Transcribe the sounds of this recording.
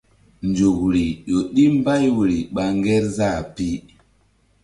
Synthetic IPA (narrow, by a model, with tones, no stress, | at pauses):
nd͡ʒo˨kɾi˨ɗo˨ɗi˦m˦ba˦jwɾi˨ɓa˨ŋɡɛ˦ɾza˦˨pi˦